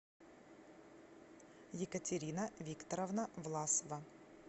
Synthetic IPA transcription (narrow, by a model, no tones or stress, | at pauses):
jɪkətʲɪɾʲinəvʲikt̪əɾəvnəvlˠasəvə